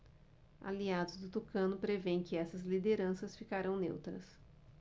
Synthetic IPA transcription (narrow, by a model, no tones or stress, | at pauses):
a̰liad̪ʊzd̪ʊt̪okɐ̃nʊpɾevẽj̃kɪɛsɐzlid̪eɾɐ̃sɐsfikaɾɐ̃w̃nḛwt̪ɾɐs